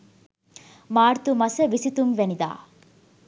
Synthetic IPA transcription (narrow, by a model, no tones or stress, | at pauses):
maːɾt̪umɐsəʋisit̪umʋenid̪a̰ː